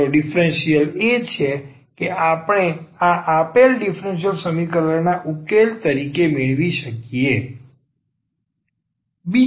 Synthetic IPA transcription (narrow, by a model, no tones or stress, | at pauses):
oɖifɾenʃijəlet͡ʃʰe | keʔapəɳ̃eaʔapelɖifɾenʃ̬ijəlsəmikəɾəɾnaʔukelt̪əɾikemeɭʋiʃəkije | bi